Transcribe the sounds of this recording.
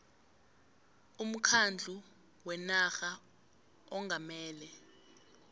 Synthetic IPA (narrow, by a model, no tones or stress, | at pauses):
um̩kʰand͡ɮʱu | wɛnaxa | ɔŋʱamɛːlɛ